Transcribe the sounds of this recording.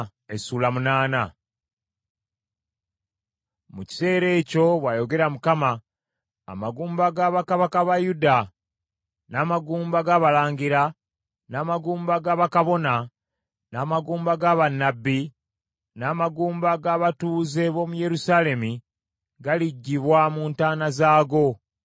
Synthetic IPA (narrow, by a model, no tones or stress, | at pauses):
esuːlamunaːna | muci̥se̞ːɾe̞ːco̞βwaːjo̞ɡe̞ɾamukama̰ː | maɡuːmbaɡaːβakaβakaβajuda | naːmaɡuːmbaɡaːβalaːɲɟiɾa | naːmaɡuːmbaɡaβakaβo̞na | naːmaɡuːmbaɡaβanːabːi | naːmaɡuːmbaɡaβatuːze̞βo̞muje̞ɾusaːle̞mi | ɡaliɟːiβwamuːntaːnazaːɡo̞